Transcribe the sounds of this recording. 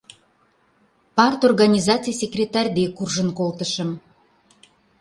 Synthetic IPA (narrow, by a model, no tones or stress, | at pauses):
pɑrt̪orɣɑnʲizɑt͡sɨjsʲekrʲet̪ɑrʲd̪ekurʒənkolt̪əʃəm